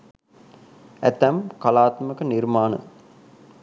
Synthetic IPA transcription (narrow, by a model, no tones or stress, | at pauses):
æt̪æmkalaːt̪məkənirmaːnə̰